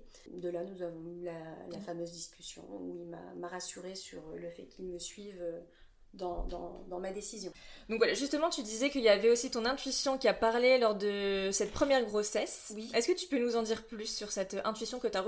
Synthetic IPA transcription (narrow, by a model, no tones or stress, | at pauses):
d̪əlanuzavɔ̃ylalafamøzd̪iskʲy̥sjɔ̰̃uilma̰maʁasyʁesyʁləfɛ̰kʲʰilməsɥivø | d̪ɑ̃d̪ɑ̃d̪ɑ̃mad̪esizjɔ̃d̪ɔ̃kvwalaʒyst̪əmɑ̃t̪yd̪izɛkəiljavɛosit̪ɔ̃nɛ̃t̪ɥisjɔ̃kʲiapaʁlelɔʁd̪əsɛt̪̚pχəmjɛʁɡʁosɛswiɛskət̪y̥pønuzɑ̃d̪iʁplysːyʁsɛt̪ʔɛ̃t̪ɥisjɔ̃kət̪yaʁ